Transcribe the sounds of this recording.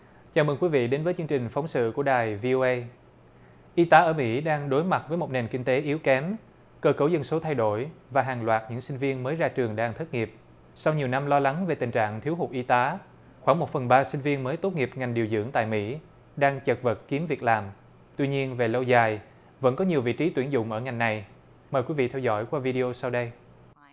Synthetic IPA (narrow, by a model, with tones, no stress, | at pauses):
t͡ɕaː˨˩mə˨˩ŋkwi˨˦vḭ˧˨ɗe˨˦nvəː˨˦jt͡ɕɨ˧ŋt͡ɕï˨˩ŋ̟fa˨˦wŋ͡msɨ̰˧˨ku˧˩əɗaː˨˩jvi˧ʔo˧ʔə˧j | ʔi˧t̪aː˨˦ʔəː˧˩mḭ˧˥ɗaː˧ŋɗo˨˦jma˨˩t̚vəː˨˦jmo˨˩t̚ne˨˩nki˧ŋ̟t̪e˨˦ʔi˨˦wkɛ˨˦m | kəː˧˩kə˧˩wzə˧nso˨˦t̪ʰa˧jɗo˧˩jvaː˨˩ɦaː˨˩ŋlwaː˨˩t̚ɲɨ̰˧˥ŋsï˧ŋ̟vi˧ənməː˨˦jzaː˧t͡ɕɨ˨˩əŋɗaː˧ŋt̪ʰə˦˥t̚ŋi˨˩əp̚ | sa˧wɲi˨˩wna˧mlɔ˧la˨˦ŋve˨˩t̪ï˨˩ŋ̟t͡ɕa̰ː˧˨ŋt̪ʰi˨˦əwɦu˨˩k͡p̚ʔi˧t̪aː˨˦ | xwaː˧˩ŋmo˨˩t̚fə˨˩nɓaː˧sï˧ŋ̟vi˧ənməː˨˦jt̪o˦˥t̚ŋi˨˩əp̚ŋa˨˩jŋ̟ɗi˨˩wzɨ̰˧˥əŋt̪a̰ː˧˨jmḭ˧˥ | ɗaː˧ŋt͡ɕə˨˩k̚və˨˩t̚ki˨˦əmvi˨˩ək̚laː˨˩m | t̪wi˧ɲi˧ənve˨˩lə˧wzaː˨˩j | və̰˧˥nkɔ˨˦ɲi˨˩əwvḭ˧˨t͡ɕi˨˦t̪wi˧˩ənzʊ̰˧˨ŋ͡mʔəː˧˩ŋa˨˩jŋ̟na˨˩j | məː˨˩jkwi˨˦vḭ˧˨t̪ʰɛ˧wzɔ̰˧˥˩jkwaː˧vi˧ɗi˧o˧sa˧wɗə˧j